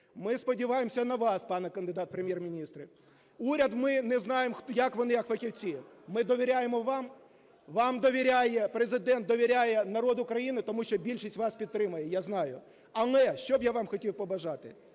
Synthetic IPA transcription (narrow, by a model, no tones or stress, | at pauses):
mɪspɔdʲiʋɑjemsʲɐnɐʋɑspɑnɛkɐnd̪ɪd̪ɑt̪̚pɾemʲjermʲinʲist̪ɾɨ | uɾʲɐd̪mɪnɛznɑjemxtjɐkʋɔnɪjɐkfɐxʲiwt͡sʲi | mɪd̪ɔʋʲɪɾʲajemɔʋɑm | ʋɑmd̪ɔʋʲiɾʲajɛpɾezɪd̪ɛnt̪̚d̪ɔʋʲiɾʲajɛnɐɾɔd̪ʊkɾɐjinɪt̪ɔmuʃʲt͡ʃɔbʲilʲʃisʲtʲʋɑspʲidt̪ːɾɪmɐjɛjaznɑjʊ | ɐnˠɛʃt͡ʃɔbjaʋɑmxɔtʲiwpɔbɐʒɑt̪ɪ̰